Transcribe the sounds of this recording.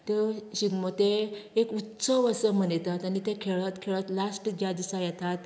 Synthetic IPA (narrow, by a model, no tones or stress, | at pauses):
t̪eɕiɡmot̪eekut̪səʋəsəmənet̪at̪anit̪ẽkʰeɭət̪kʰeɭət̪lasʈd͡ʑad̪isajat̪ʰat̪